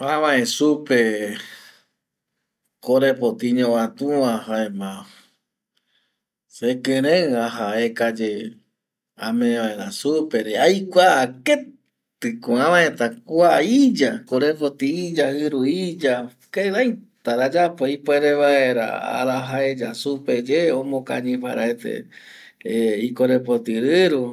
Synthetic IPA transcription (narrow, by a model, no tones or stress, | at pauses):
ãβãẽsupe | koɾepot̪iɲõwãt̪ũãɦaemã | sekɨ̃ɾ̃ẽaɦaekad͡ʒe | ãmẽβaeɾasupeɾeajkʷaːke | t̪ɨkoãʋãet̪akʷaid͡ʒakoɾepot̪iid͡ʒahɨɾuid͡ʒa | keɾãjt̪aɾad͡ʒapoipoeɾeβaeɾa̰a̰ɾaɦaed͡ʒa̰suped͡ʒeõmõka̰ɲĩpa̰ɾaet̪ḛ | ikoɾepot̪ɨɾɨɾu